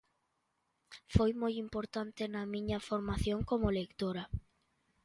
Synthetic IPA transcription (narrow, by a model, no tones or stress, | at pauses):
fojmojimpoɾt̪ant̪enamĩɲafoɾmaθjoŋkomolekt̪oɾa